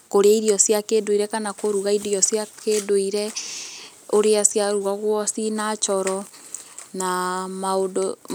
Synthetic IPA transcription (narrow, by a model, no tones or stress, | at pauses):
koɾeaiɾiɔsjakedoiɾɛkanakoɾuɣaidjɔsjakʰedoiɾɛ | oɾeasjaɾuaɣwɔsinat͡ʃɔɾɔ | namaodo